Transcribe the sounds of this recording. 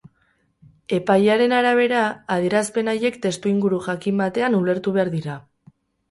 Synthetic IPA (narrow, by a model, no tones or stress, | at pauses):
e̞pajaɾe̞naɾaβ̞e̞ɾaːðeɾaspe̞naje̞kt̪e̞st̪uiŋɡuɾuxakimbat̪e̞anule̞ɾt̪uβe̞aɾðiɾa